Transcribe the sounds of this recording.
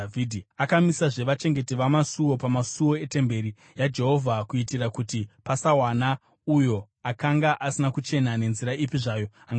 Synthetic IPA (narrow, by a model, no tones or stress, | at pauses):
vidʱiakamisaʐe̞ʋat͡ʃe̞ŋɡe̞tiʋamasuwo̞pamasuwo̞ete̞mbe̞ɾi | jad͡ʒe̞ɦo̞vʱakuitirakutipasawana | ujo̞ | akaŋɡaʔasinakut͡ʃe̞nane̞nziɾaipiʐaːjo | aŋɡ